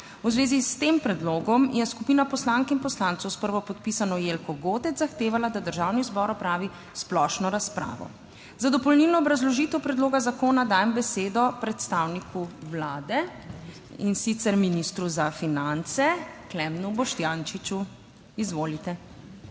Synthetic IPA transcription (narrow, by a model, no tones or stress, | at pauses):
wzʋeːzist̪empɾɛd̪loːɡɔmjɛskupinapɔslaŋkinpɔslant̪sɔwspəɾʋɔpɔt̪̚pisanɔjelkɔɡot̪ɛt̪zaxt̪eːʋalad̪ad̪əɾʒawnizbɔɾɔpɾaːʋi | splɔʃnɔɾaspɾa̰ːʋɔ̰ | zad̪ɔpɔlnilnɔːbɾazlɔʒit̪ɛwpɾɛd̪loːɡazakoːnad̪aːjɛmbɛseːd̪ɔpɾɛt̪st̪awnikʰuwlaːd̪ɛ | insit̪sɛɾminist̪ɾuzafinant̪sɛklɛmnubɔʃt̪jant͡ʃit͡ʃu | izʋolit̪ɛ